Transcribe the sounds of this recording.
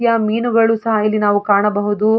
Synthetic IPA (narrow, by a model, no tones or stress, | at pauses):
jɐmiːnuɡɐɭusɐɦɐilːinaːʋukaːɳɐbɐɦud̪u